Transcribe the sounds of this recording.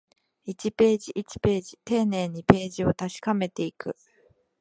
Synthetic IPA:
it͡ɕipe̞ːʑiʔit͡ɕi̥pe̞ːʑit̪e̞ːne̞ːɲ̟ipe̞ːʑio̞t̪aɕi̥kame̞t̪e̞ikɯ̟

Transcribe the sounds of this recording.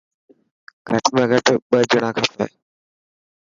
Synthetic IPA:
ɡʱəʈmẽːɡʱəʈɓəd͡ʒʊɳãːkʰaːp̪ae

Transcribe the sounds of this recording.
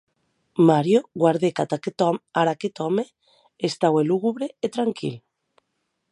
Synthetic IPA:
maɾjoɣwaɾðekat̪aaɾaket̪ɔme | est̪aweluɣuβɾeːt̪ɾaŋkʰḭl

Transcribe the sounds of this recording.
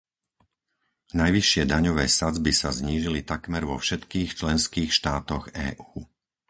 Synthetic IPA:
najʋiʃɪɛd̪aɲɔʋɛːsad͡zbisazɲiːʒilit̪akmɛɾʋɔfʃɛt̪kiːxt͡ʃlɛnskiːxʃt̪aːt̪ɔɣɛ̰ːʔuː

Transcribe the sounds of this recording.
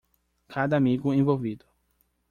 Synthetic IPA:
kʰad̪ɐamiɡʊẽvowvid̪ʊ

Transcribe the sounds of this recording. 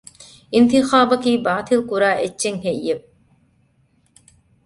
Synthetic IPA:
int̪ixaːbɐkiːbaːt̪ilˠkuɾaːʔet͡ɕːeŋhejːep̚

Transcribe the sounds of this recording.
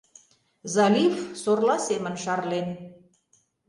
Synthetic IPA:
zɑlʲifsorlɑsemə̆nʃɑrlen

